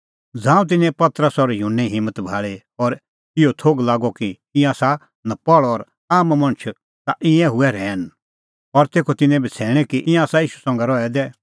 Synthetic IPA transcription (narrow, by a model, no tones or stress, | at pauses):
d͡zãːũt̪̬ɪnɛ̃pɐt̪ɾəsɔɾjunːɛ̃ɦɪ̃mːət̪bʱaːɭe | ɔɾ | ɪot̪ʰoːɡlaːɡɔki | ɪ̃ãːsa | nɐ̃pɔɭːɾ | aːmmɐ̃ɽ̃t͡ʃʰ | t̪aʔɪ̃ɛ̃ɦʊɛɾɛːn | ɔɾt̪eːkʰot̪ɪnɛ̃bʱɐt͡sʰɛːɽ̃ɛkiʔɪ̃jãaːsaiːʃu̥sɔ̃ːŋɡɛɾɔɛd̪ɛː